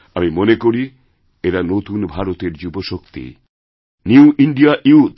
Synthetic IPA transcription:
amimonekoɾi | eɾanot̪unbʱaɾot̪eɾd͡ʑuboʃokt̪ḭ | niuʔiɳɖiaʔiut̪

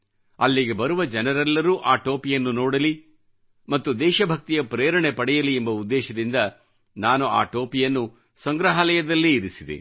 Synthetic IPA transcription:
ɐlːiɡe̞bɐɾuʋɐd͡ʒɛnɐɾɛlːɐɾuːʔaːʈoːpijɐnːunɔːɽɐli | mɐt̪ːud̪ɛːʃɐbʱɐk̚t̪ijɐpɾeːɾɐɳepɐɽɛjɐliembɐud̪ːɛːʃɐd̪ind̪ɐ | naːnua̰ːʈoːpijɐnːu | sɐŋɡɾɐɦɐlɛjɐd̪ɐlːiːɾisid̪ḛ

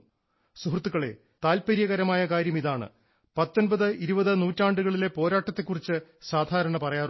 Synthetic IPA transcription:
suɦrt̪ːuɣɐɭe̞ | t̪aːlpɐɾijɐɣɐɾɐmaːjɐkaːɾjɐmiðaːɳɨ̰ | pɐt̪ːo̞nbɐðɨiɾubɐðɨnuːtːaːɳɖuɣɐɭile̞po̞ːɾaːʈːɐt̪ːe̞kːurit͡ɕːɨsaːd̪ʱaːɾɐɳɐpɐrɐjaːr

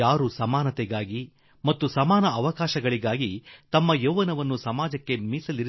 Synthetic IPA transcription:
aːɾusɐmaːnɐt̪ɛɡaːɡi | mɐt̪ːusɐmaːnɐːʋɐkaːʃɐɡɐɭiɡaːɡit̪ɐmːɐjoːʋɐnɐʋɐnːusɐmaːd͡ʒɐkːemiːsɐliɾ

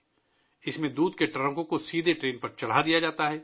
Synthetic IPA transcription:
ɪsmẽd̪uːd̪̚keʈɾə̃ŋkõkosiːd̪ʱeʈɾeːnpɐɾt͡ʃɐɽ̤ad̪ijad͡ʒaːt̪aɦɛː

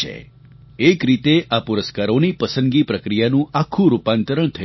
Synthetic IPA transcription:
ḛ | ekɾit̪eʔapuɾəskaɾonipəsə̃nɡipɾəkɾijanũʔakʰːũɾupãnt̪əɾəɳ̃t̪ʰə

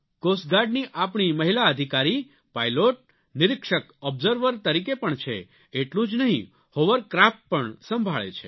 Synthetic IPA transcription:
kosɡaɾɖniʔapɳiməɦilaəd̪ʱikaɾi | pajloʈ̚ | nɪɾɪkʃəkɔbzəɾʋəɾt̪əɾik̬epəɳt͡ʃʰḛ | eʈlũd͡ʒnəɦĩ | hoʋəɾkɾapːəɳsəmbʱaɭḛt͡ʃʰe

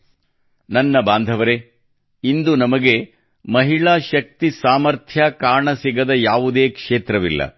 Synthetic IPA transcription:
nɐnːɐbaːnd̪ʱɐʋɐɾe | ind̪unɐmɐɡe̞ | mɐɦiɭaːʃɐk̚t̪isaːmɐɾt̪ʰjakaːɳɐsiɡɐd̪ɐjaːʋud̪eːkʂeːt̪ɾɐʋilːɐ̰

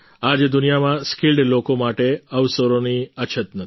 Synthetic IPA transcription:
ad͡ʒd̪unijamãskilɖlokomaʈeəʋsəɾoniət͡ʃʰət̪nə

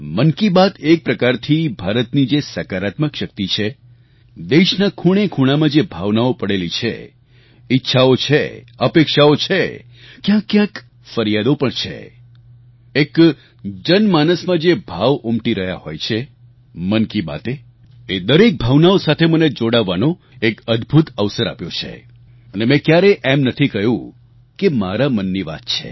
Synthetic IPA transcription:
mənkibat̪ek̚pɾəkaɾt̪ʰibʱaɾət̪nid͡ʒesəkaɾat̪məkʃək̚t̪it͡ʃʰe | d̪eʃnãkʰuɽ̃ekʰuɽ̃amãd͡ʒebʱaʋnaopəɽelit͡ʃʰḛ | itːʃʰaot͡ʃʰḛəpekʃaot͡ʃʰe | kjãkːjãk | fəɾjad̪opəɳt͡ʃʰḛ | ek | d͡ʒənmanəsmãd͡ʒebʱaʋʊmʈiɾəɦja̰hojt͡ʃʰe | mənkiba̰t̪e | ed̪əɾek̚bʱaʋnaosat̪ʰeməned͡ʒoɽaʋːano | ekəd̪bʱut̪əʋsəɾa̰pjot͡ʃʰḛ | ənemɛ̃kjaɾeʔemnət̪ʰikəɦjũ | kemaɾamənːiʋa̰t̪̚t͡ʃʰḛ

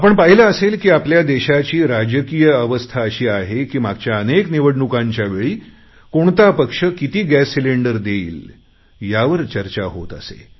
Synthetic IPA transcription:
apəɳpaɦilaəselkiːapljad̪eɕat͡ɕiːɾad͡ʑəkijəəʋəst̪ʰaəɕiːaɦekiːmaɡ̚t͡ɕjaənekniʋəɽɳukãɲt͡ɕjaʋeɭiː | koɳt̪apəkʂəkit̪iːɡæsːileɳɖəɾd̪eiːl | jaʋəɾt͡ɕəɾt͡ɕaɦo̰t̪əsḛ

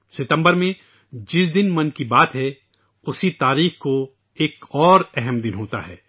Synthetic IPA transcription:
sɪt̪ə̃mbəɾmẽ | d͡ʒɪsd̪ɪnmɐnkibaːt̪ɦɛ | ʊsit̪aːɾiːxko | eːkɔːɾɛɦɛmd̪ɪnɦoːt̪a̰ɦɛ̰ː

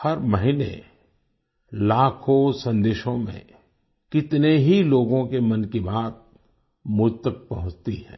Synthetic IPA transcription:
hɐɾmɐɦinḛ | laːkʰõsɐ̃nd̪eːʃõmḛ̃ | kɪt̪neɦiloːɡõkemɐnkibaːt̪̚ | mʊt̪ːək̚pɐɦʊ̃t͡ʃt̪iɦɛ̰̃ː

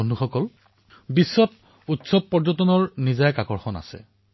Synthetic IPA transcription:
ɔnduxɔkɔl | bisːɔt̚ | utsɔb̚pɔɹd͡ʒɔtɔnɔɹnizajkakɔɹxɔna̰sɛ̰

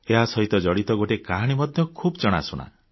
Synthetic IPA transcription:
eɦasɔɦit̪ɔd͡ʒɔɽit̪ɔɡoʈekaɦaɽ̃imɔd̪ʱjɔkʰubɔt͡ʃɔɽ̃a̰suɽ̃a̰

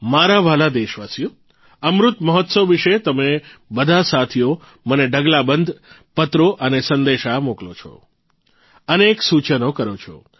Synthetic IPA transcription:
maɾaʋalad̪eʃʋasijo | əmɾʊt̪məɦɔt̪səʋʋiʃet̪əmebəd̪ʱasat̪ʰijo | məneɖəɡlabənd̪ʱ | pət̪ɾoʔənesənd̪eʃamoklo̰t͡ʃʰo̰ | əneksut͡ʃənokəɾot͡ʃʰo̰

